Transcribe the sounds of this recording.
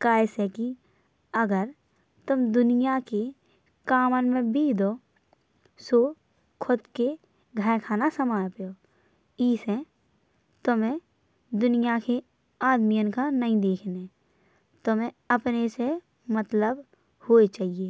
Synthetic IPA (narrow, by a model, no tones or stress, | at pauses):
kaːɪseki | əɡəɾ | t̪ʊmd̪ʊnijake | kaːmənmẽbiːd̪oː | soː | kʰʊd̪ke | ɡʱəkʰaːnasəmaːjpejoː | iːsẽ | t̪ʊmẽ | d̪ʊnijake | aːd̪mijənkanəĩd̪eːkʰne | t̪omẽ | əpnese | mət̪ləb | hoːet͡ʃaːɦieː